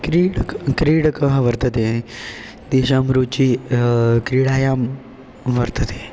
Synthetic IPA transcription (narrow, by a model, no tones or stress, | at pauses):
kɾiɽkɾiːɽkəɦʋəɾt̪ət̪e | d̪eɕamɾuːt͡ɕiː | kɾiːɽaːjam | ʋəɾt̪ət̪ʰe̥